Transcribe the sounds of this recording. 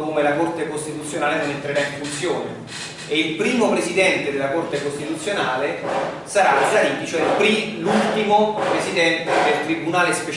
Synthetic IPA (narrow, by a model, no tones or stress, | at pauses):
komelakort̪ekost̪it̪ut̪sːjonaːlenonent̪ɾeɾaiɱfunt̪sjoːnḛː | ilpɾiːmopɾezid̪ɛnt̪ed̪elakort̪ekost̪it̪ut̪sːjonaːle | saɾaosaɾiːt̪it͡ʃoɛilpɾilult̪imopɾezid̪ɛnt̪ed̪elt̪ɾibunaːlespet͡ʃ